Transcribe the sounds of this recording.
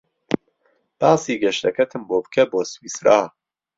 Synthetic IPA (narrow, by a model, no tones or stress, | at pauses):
b̥ɑːsiːɡɛʃt̪ɛkʰɛt̪ʰɨmboːbɨ̥kʰɛboːswiːsɾaː